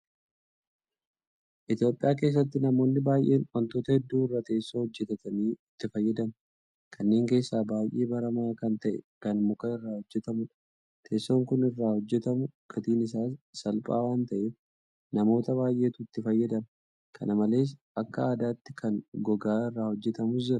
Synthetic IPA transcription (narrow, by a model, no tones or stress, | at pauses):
ʔɪt̪jo̞ːpʼːɪ̰ʔaːk̬e̞ːs̬ːɐt̪ːɪnɐmo̞ːnːɪbaːjʔe̞ːnwɐnt̪o̞ːt̪ɐhɛd̪ːuːɪrːaːt̪e̞ːsːoːhɔd͡ʒːɛt̪ɐt̪ɐniːɪt̪ːɪfɐjːɐd̪ɐm | kʰɐnːe̞ːŋke̞ːsːaːbaːjʔe̞ːbɐɾɐmaːkɐnt̪ɐʔɛ̰kɐnmʊkɐɪrːaːhɔd͡ʒːɛt̪ɐmʊᶑɐ | t̪ʰe̞ːsːo̞ːŋkʊnɪrːaːhɔd͡ʒːɛt̪ɐmʊkʰɐt̪iːnɪs̬aːsːɐlpʼa̰ːwaːnt̪ɐʔe | nɐmo̞ːt̪ɐβaːjʔe̞ːt̪ʊɪt̪ːɪfɐjːɐd̪ɐmɐ | kʰɐ̰nɐmɐle̞ːs̬ʔɐkːɐaːd̪aːt̪ːɪkʰɐŋɡɔɡaːɪrːaːhɔd͡ʒːɛt̪ɐmʊs̬d͡ʒɪɾɐ